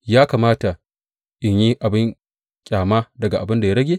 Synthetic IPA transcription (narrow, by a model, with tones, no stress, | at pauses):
jaː˦kaː˨maː˦ta˨ | ʔɪ˨ɲji˦ʔa˨bɪ˦ŋ | kʲʼaː˨ma˦dɐ˨ɡa˨ʔa˨bɪ˦nda˨ja˦ɾɐ˦ɡʲe˦